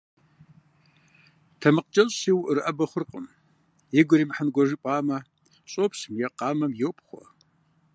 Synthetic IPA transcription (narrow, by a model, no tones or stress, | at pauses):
tʰɐmɨqt͡ʃʼɐɕʼsiwʔrɨʔɐbɐχʷʊrqʼəm | jɪɡʷʊɾimħənɡʷɔʒipʼaːmɐ | ɕʼopsmjɛqɑːmɐmjɛwpʼχʷɔ̰